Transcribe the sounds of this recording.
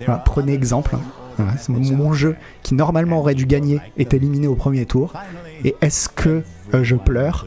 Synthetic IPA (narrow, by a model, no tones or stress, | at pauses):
valapχəneɛɡzɑ̃pl | valasɛmɔ̃mɔ̃mɔ̃ʒø | kʲʰinɔʁmalmɑ̃ɔʁɛd̪yɡaɲeɛt̪elimineopχəmjet̪ʰuʁ | eʔɛskʰə | ʒəplœːʁ